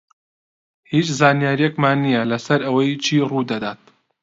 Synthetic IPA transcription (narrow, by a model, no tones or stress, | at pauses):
hit͡ʃzaːnijaːɾijɛkmaːnːijɐlɐsɐɾɐwɐjt͡ʃʰiːrud̪ɐd̪aːt̪̚